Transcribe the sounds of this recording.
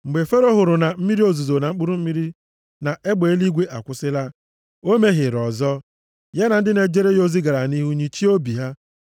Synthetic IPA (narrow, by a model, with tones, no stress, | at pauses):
ŋ͡m̩˨ɡ͡be˨fe˦ɾo˦ɦʊ˨ɾʊ˨na˨m̩˦mi˦ɾi˦o˨zu˨zo˨na˨ŋ͡m̩˦k͡pu˦ɾu˦m̩˦mi˦ɾi˦ | na˨ʔe˦ɡ͡be˨˦li˦ɡʷe˦ʔa˨kʷʊ˨sɪ˦la˦ | o˦me˦ɦɪ˨ɾɔ˨zɔ˦ | je˦na˨n̩˦dɪ˦ne˨d͡ʒe˦ɾe˦jo˦zi˦ɡa˨ɾa˨ni˦ɦu˦ɲi˦t͡ʃi˦o˦bi˨ɦa˦